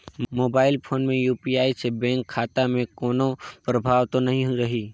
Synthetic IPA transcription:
moːbaːɪlpʰoːnmẽjuːpiaːisebɛ̃ːŋkʰːaːt̪amẽkɔːnopɾəbʱaːʋt̪onɐɦĩɦɾɐɦiː

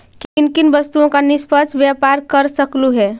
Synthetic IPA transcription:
kinkinbəst̪uõkanispəd͡ʒʰʱbjapaɾkəɾsəkluɦɛ

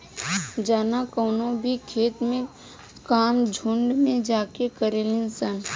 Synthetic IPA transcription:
d͡ʒaːnakəːnõbʱikʰeːt̪mẽ | kaːmd͡ʒʱʊ̃ɳɖmẽd͡ʒaːkekəɾeːlẽnsən

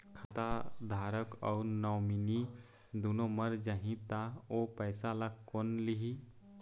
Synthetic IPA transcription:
kʰat̪ad̪ʱaːɾəkɔ̰ʊɾnɔwmini | d̪unoməɾd͡ʒaɦĩt̪aopəɪsalakːonliɦi

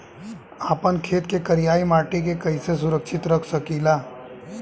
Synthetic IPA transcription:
aːpənkʰeːt̪kekɐɾijaːimaːʈikekɐises̬ʊɾəkʃɪt̪ɾəkʰsɐkiːlaː

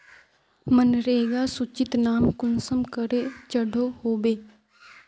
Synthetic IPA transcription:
mənɾeeɡasʊt͡ʃɪt̪naːmkʊnsəmkəɾet͡ʃəɽʱohoːbeː

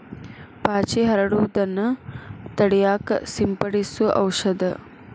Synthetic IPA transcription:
paːt͡ʃiɦɐɾɐɽud̪ɐnɐt̪ɐɽijaːksimpɐɽisuʔɐ̰wʂɐd̪ɐ

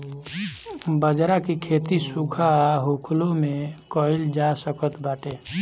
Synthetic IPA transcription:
bəd͡ʒɾakikʰet̪isukʰaɦokʰlomekɔɪld͡ʒasəkət̪baːʈe

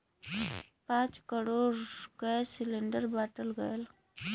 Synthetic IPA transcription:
pãːt͡ʃkəɾoːɾɡəsɪlẽɳɖəɾbaːʈəlɡəl

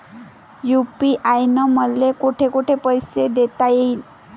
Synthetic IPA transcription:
jupiʔajnəməllekuʈʰekuʈʰepəjsed̪et̪ajei

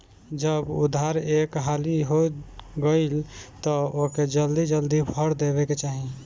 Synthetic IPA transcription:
d͡ʒəbʊ̰d̪ʱaɾekɦaliɦoɡəɪlt̪ɔoked͡ʒəld̪id͡ʒəld̪ibʱəɾd̪ebeket͡ʃaːɦi

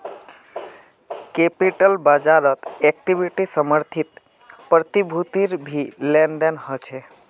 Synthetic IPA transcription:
kepiʈəlbad͡ʒaɾət̪ɛk̚ʈiʋiʈisəməɾt̪ʰit̪ | pɾət̪ibʱut̪iɾbʱilenɖənhət͡ʃʰe

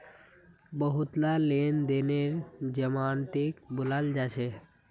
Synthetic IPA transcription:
bəɦʊt̪laleːnd̪eːneɾd͡ʒəmaːnt̪ikbʊlald͡ʒaːt͡ʃʰe

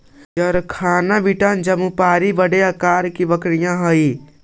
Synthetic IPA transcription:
d͡ʒɐɾkʰaːnaʋiʈand͡ʒɐmupaːɾibəɽeɐkaːɾkiʋəkɽijãɦəi

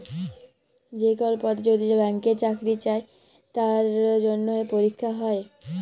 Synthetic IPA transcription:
d͡ʑekɔlpɔd̪d͡ʑod̪ʱid͡ʑebɛŋket͡ɕakɾit͡ɕae | t̪aɾd͡ʑonːoepoɾikʰːaɦɔe

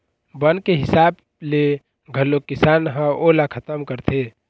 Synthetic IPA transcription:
bənkeɦɪsaːb | le | ɡʱəlokɪsaːnɦə̃ʔolakʰət̪əmkəɾt̪ʰe

